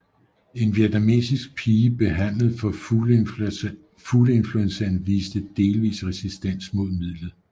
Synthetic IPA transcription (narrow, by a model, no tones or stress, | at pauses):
e̝nʋied̥æme̝̰sisɡ̥̚pʰiːəb̥e̝ɦæn̰ləð̞̩ˠfɒ̽ | fuləe̝nfluensɐnʋiːsd̥əd̥e̝ːlʋḭːsʁɛsisd̥en̰smo̝ð̞̰ˠmið̰ˠlð̩ˠ